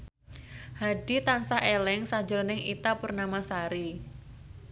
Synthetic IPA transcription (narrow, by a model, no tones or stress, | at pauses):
hadit̪ansaʔelɛŋsad͡ʒəɾnɪŋit̪apurnamasaɾi